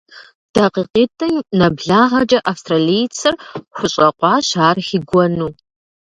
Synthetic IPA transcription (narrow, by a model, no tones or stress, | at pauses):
d̥ɐqiːqiːtʰɨnɐbɮaːʁɐd͡ʒʼɐʔafstʰralijt͡sʰɨrχʷʊɕʼɐqʷɑːɕaːrxiɡʷɔnuː